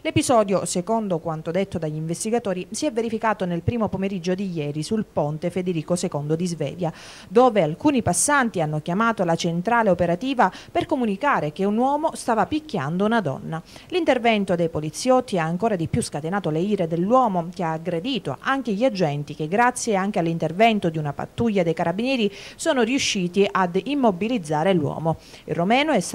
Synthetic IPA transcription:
lepizɔːd̪josekond̪okwant̪od̪et̪ːod̪aʎːiɱvest̪iɡat̪oːɾisiɛvːeɾifikaːt̪onelpɾiːmopomeɾid͡ʒːod̪ijɛːɾisulpont̪efed̪eɾiːkosekond̪od̪izvɛ̰ːvja | d̪oːvealkuːnipasːant̪ianːokjamaːt̪olat͡ʃent̪ɾaːleopeɾat̪iːvaperkomunikaːɾek̟eunwɔːmost̪aːvapikːja̰nd̪ounad̪ɔ̰nːalint̪ervɛnt̪od̪ejpolit̪sːjɔt̪ːiaːŋkoːɾad̪ipjuskat̪enaːt̪oleiːɾed̪elːwɔːmok̟eaːɡɾed̪iːt̪o̰ʔaŋk̟eʎiad͡ʒɛnt̪ik̟eɡːɾat̪sːjeaŋk̟ealːint̪ervɛnt̪od̪iunapa̰t̪ːuʎːad̪ejkaɾabinjɛːɾisɔːnoriuʃːiːt̪iʔad̪imːobilid̪zːaːɾelwɔ̰ːmoirːomɛːnoɛs

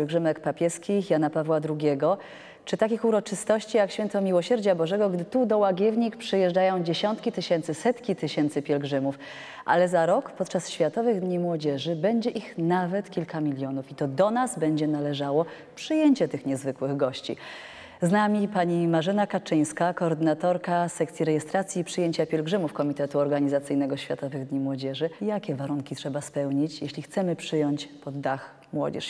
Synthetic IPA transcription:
ɛlɡʐɘmɛkpapʲjɛskʲixjanapavwad̪ɾuɡʲɛɡɔ | t͡ʂɘt̪akʲixuɾɔt͡ʂɘst̪ɔɕt͡ɕijakɕfʲjɛnt̪ɔmʲiwɔɕɛɾd͡ʑabɔʐɛɡɔɡd̪ɘt̪ud̪ɔwaɡʲjɛvɲikpʂɘjɛʐd͡ʐajɔ̃w̃d͡ʑeɕɔnt̪kʲit̪ɘɕɛnt̪sɘsɛt̪kʲit̪ɘɕɛnt̪sɘpʲjɛlɡʐɘmuf | ʔa̰lɛzaɾɔkpɔt̪̚t͡ʂasɕfʲjat̪ɔvɘɣd̪ɲimwɔd͡ʑɛʐɘbɛɲd͡ʑɛʔixnavɛt̪kʲilkamʲilʲjɔnufit̪ɔd̪ɔnazbɛɲd͡ʑɛnalɛʐawɔ | pʂɘjeɲt͡ɕɛt̪ɘxɲɛzvɘkwɘɣɡɔɕt͡ɕḭ | znamʲipaɲimaʐɘnakat͡ʂɘj̃skakɔːɾd̪ɘnat̪ɔɾkasɛk̚t̪sʲjiɾɛjɛst̪ɾat̪sʲjiːpʂɘjeɲt͡ɕapʲjɛlɡʐɘmufkɔmʲit̪ɛt̪uɔɾɡaɲizat̪sɘjnɛɡɔɕfʲjat̪ɔvɘɣd̪ɲimwɔd͡ʑɛʐɘjakʲɛvaɾuŋkʲitʂɛbaspɛwɲit͡ɕjeɕlʲixt̪sɛmɘpʂɘjɔɲt͡ɕpɔd̪ːax | mwɔ̰d͡ʑɛ̰ʂ

